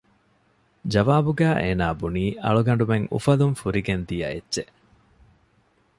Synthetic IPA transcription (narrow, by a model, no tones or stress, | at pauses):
d͡ʒɐʋaːbuɡæːʔeːnaːbuniːʔɐɭuɡɐɳ̆ɖumeŋṵfɐluŋfuɾiɡend̪ijɐ̰ḛdːʃe